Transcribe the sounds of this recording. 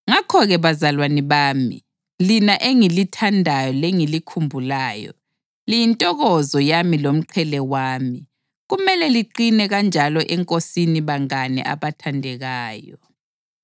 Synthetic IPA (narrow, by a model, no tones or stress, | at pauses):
ŋakʰɔɣɛβazalwanɛβaːmḭ | linaʔeŋilitʰandʱajɔleŋilikʰumbʱulaːjɔ̰ | lijintʼɔɣɔzɔjamilom̩ǃʰɛlɛwaːmi | ɣumɛlɛliǃinɛɣand͡ʒʱalɔʔɛŋkʼosiniβaŋanɛ̰ʔa̰βatʰandʱɛɣaːjɔ